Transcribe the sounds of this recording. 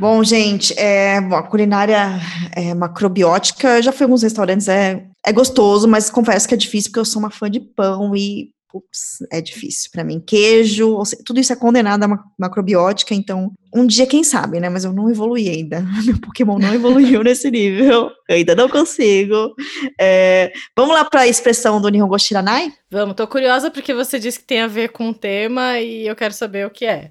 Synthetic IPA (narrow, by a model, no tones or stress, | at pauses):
bõw̃ʒẽt͡ʃɪʔɛbõw̃ɐkulinaɾjɐɛmakɾobiɔt͡ʃi̥kɐewʒafojawɡũshes̬t̪awɾɐ̃nt͡ʃɪzɛɛɡost̪ozʊmɐskõfɛsʊ̥kɪɛd͡ʒifis̬u̥po̥kewsoũmɐfɐ̃d͡ʒɪpɐ̃w̃ɪ | pupsɛ̰d͡ʒifḭsiwpɾɐmḭ̃keʒʊoset̪ud̪ʊisʊɛkõnd̪enad̪ʊɐaɐmakɾobiɔt͡ʃi̥kɐẽnt̪ɐ̃w̃ũd͡ʒiɐkẽj̃sa̰bɪnɛmɐzewnɐ̃w̃evoluiaĩnd̪ɐmewpokemɐ̃w̃nɐ̃w̃evoluiiwnesɪniveweaĩd̪ɐnɐ̃w̃kõsiɡʊɛvɐ̃mʊlapɾɐespɾesɐ̃w̃d̪ʊniõɡoʃt͡ʃiɾanajvɐ̃mʊt̪okuɾiɔzɐpoɾkevosed͡ʒiskɪ̥t̪ẽj̃aveɾkõũt̪ẽmɐiewkɛɾʊsabeɾʊkɪɛ